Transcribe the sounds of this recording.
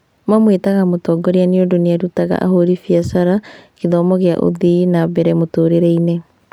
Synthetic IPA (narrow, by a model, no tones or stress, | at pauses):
mamwetaɣamotɔɡɔɾeaneodoneaɾutaɣa̰ʔa̰hoɾifiasaɾakeðɔmɔɣea̰ʔo̰ðinaβɛɾɛmotoːɾeɾɛinɛ